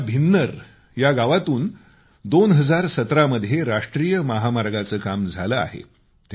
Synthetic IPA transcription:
bʱinːəɾ | jaɡaʋat̪uːn | d̪onɦəd͡zaɾsət̪ɾaməd̪ʱjeɾaʂʈɾijəməɦamaɾɡat͡səːkamd͡zʱaləa̰ɦḛ | t̪

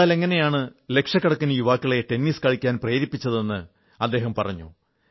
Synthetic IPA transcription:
aːle̞ŋːɐne̞jaːɳɨle̞kʂɐkːɐɽɐkːunɐjuʋaːkːiɭe̞ʈe̞nːiːskɐɻikʲːaːnpreːɾipːit͡ɕːɐðe̞nːɨ | ɐd̪ːe̞ːɦɐmpɐrɐɲːṵ

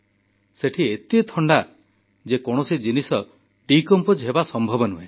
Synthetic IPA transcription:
seʈʰiet̪it̪ʰɔɳɖa | d͡ʒekɔɽ̃osid͡ʒinisɔ | ʈikɔmpod͡ʒɦebasɔmbʱɔbɔnuɦẽ

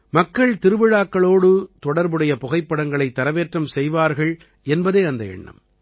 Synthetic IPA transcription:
mɐkːɐɭt̪ɪɾɯʋɪɻaːkːɐɭoːɽɯt̪ɔɽɐɾbɯɽɐjɐpɔɣɐɪpːɐɽɐŋɡɐɭɐɪt̪ːɐɾɐʋeːʈrɐmsɛjʋaːɾɣɐɭ | ɛnbɐðeːɐnd̪ɐɛ̰ɳːɐ̰m

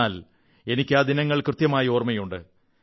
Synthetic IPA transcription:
aːl | e̞nikʲːɨaːd̪inɐŋːɐɭkrɨt̪jɐmaːjɐo̞ːrmɐjuɳɖɨ̰

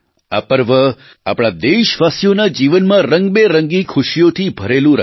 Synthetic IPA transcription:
a̰pəɾʋə | a̰pɽ̃ad̪eʃʋasjonad͡ʒiʋənmãɾəŋɡbeɾəŋɡikʰʊʃjot̪ʰibʱəɾelũɾ

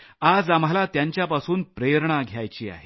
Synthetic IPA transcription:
ad͡zam̤alat̪jaɲt͡ɕjapasuːnpɾeɾɳaɡʱjajt͡ɕiːa̰ɦe

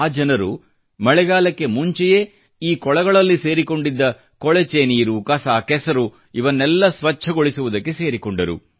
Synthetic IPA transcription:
aːd͡ʒɐnɐɾu | mɐɭɛɡaːlɐkːe̞muɲt͡ʃɛje | iːkɔɭɐɡɐɭɐlːise̞ːɾiko̞ɳɖid̪ːɐ | kɔɭet͡ʃeniːɾukɐsaːkɛsɐɾu | iʋɐnːɛlːɐsʋɐt͡ʃʰɐɡoɭisuʋud̪ɐkːe̞se̞ːɾikoɳɖɐɾṵ

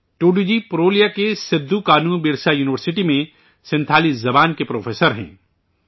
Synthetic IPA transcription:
ʈuːɖud͡ʒipɾoːlijakesɪd̪ʱːukaːnũːbiːɽsajuːnɪʋəɾsɪʈimẽ | sɪ̃nt̪ʰaːlizɐbaːnkepɾoːfʰeːsəɾɦɛ̰̃ː

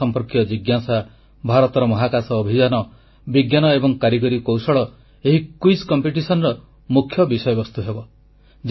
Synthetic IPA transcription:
ɔmpɔɾkiɔd͡ʒiɡjasa | bʱaɾɔt̪ɔɾɔmɔɦakasɔːbʱid͡ʒanɔ | biɡjanɔebɔŋkaɾjiɡɔɾikowsɔɭɔ | eɦikuiskɔmpiʈisɔnɔɾɔ | mukʰːjɔbisɔjɔbɔst̪uɦebɔ | d͡ʒ

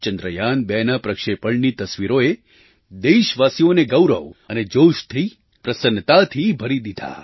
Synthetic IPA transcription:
t͡ʃənd̪ɾəjanbɛnapɾəkʃepəɭnit̪əsʋiɾoe | d̪eʃʋasioneɡəwɾə̰ʋəned͡ʒoʃt̪ʰi | pɾəsənt̪at̪ʰibʱəɾid̪id̪ʱa̰

